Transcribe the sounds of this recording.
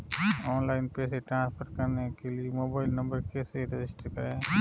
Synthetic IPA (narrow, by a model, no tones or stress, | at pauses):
ɔːnlaːɪnpɛːseʈɾãːnspʰəɾkɐɾnekeliemoːbaːɪlnɐ̃mbəɾkeseɾed͡ʒɪsʈəɾɦe